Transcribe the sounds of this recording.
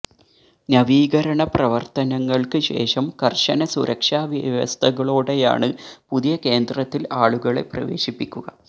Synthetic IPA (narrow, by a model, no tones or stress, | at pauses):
nɐʋiːɣɐɾɐɳɐprɐʋɐrt̪ɐnɐŋːɐɭkɨɕe̞̰ːʂɐmkɐrʂɐnɐsuɾʔɐkʂaːʋiʋɐ̰st̪ʰɐɣɐɭoːɽeja̰ːɳɨpuðijɐke̞ːnd̪rɐt̪ːilaːɭuɣɐɭe̞̰prɐ̰ʋe̞ːɕipːikʲːuɣɐ